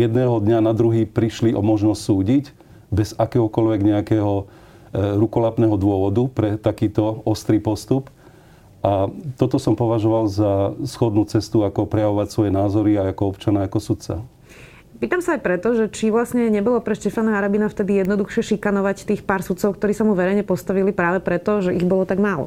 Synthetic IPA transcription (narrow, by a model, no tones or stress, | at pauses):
jɛd̪nɛːɦɔd̪ɲanad̪ɾuɦiːpɾiʃliʔɔmɔʒnɔscsuːɟiɟ | bɛzakɛːɦɔkɔlʋɛɡɲɛakɛːɦɔ | ɾukɔlapnɛːɦɔd̪ʊɔʋɔd̪upɾɛt̪akiːt̪ɔɔst̪ɾiːpɔst̪up | ʔat̪ɔt̪ɔsɔmpɔʋaʒɔʋalzasxɔd̪nuːt͡sɛst̪uakɔpɾɛjaʋɔʋacsʋɔjɛnaːzɔɾiajakɔɔpt͡ʃanaakɔsut̪t͡sa̰ | piːt̪amsaːjpɾɛt̪ɔʒɛt͡ʃiʋlasɲɛɲɛbɔlɔpɾɛʃcɛfanaaɾabinaft̪ɛd̪ijɛd̪nɔd̪uxʃɪɛʃikanɔʋact̪iːxpaːɾsut̪t͡sɔʊkt̪ɔɾiːsamuʋɛɾɛjɲɛpɔst̪aʋilipɾaːʋɛpɾɛt̪ɔʒɛiɣbɔlɔt̪aɡmaːlɔ̰